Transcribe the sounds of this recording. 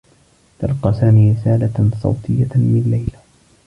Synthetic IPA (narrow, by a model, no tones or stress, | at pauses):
t̪ɑlqɑːsaːmiːɾɪsaːlasˤɑ̰wt̪ʰɨjːamɪnlːajl